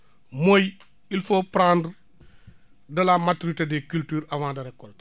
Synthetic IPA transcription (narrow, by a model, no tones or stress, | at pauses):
moj | ilfopɾãːnd | dɐlamatuɾitedekyltyːɾawãːndɐɾɛkːɔlt